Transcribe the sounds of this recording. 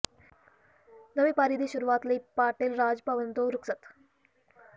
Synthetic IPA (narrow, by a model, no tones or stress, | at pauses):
nəʋipaɾiːd̪iːɕuɾuʋat̪liːpaʈilɾad͡zpaʋənt̪oɾuksət̪